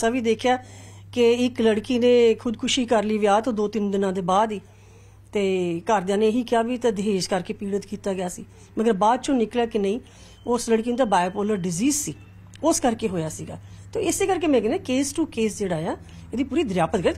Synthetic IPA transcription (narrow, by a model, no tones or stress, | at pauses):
saːʋiːd̪eːkʰjaːkɪɪkləɽkiːnẽːkʰʊd̪kʰʊʃiːkəɾliːʋjaːt̪õːd̪oːt̪ɪnd̪ɪnãːd̪eːbaːd̪iː | t̪eːkəɾd̪ɪjãːnẽːɦiːkɪjaːʋiːt̪aːd̪eɦeːʃkəɾkeːpiːɽət̪kiːt̪aːɡɪjaːsḭː | məɡəɾbaːd̪̚t͡ʃõːnɪklaːkɪnəĩː | ʊsləɽkiːneːt̪aːbaːepoːləɾɖɪziːzsiː | ʊskəɾkeːɦoːjaːsḭːɡa̰ːt̪oːɪseːkəɾkeːmɛ̃ːɡnɛ̃ːkeːsʈuːkeːsd͡ʒeːɽaːãː | eːd̪iːpuːɾiːd̪əɾjaːpət̪̚ɡəɾ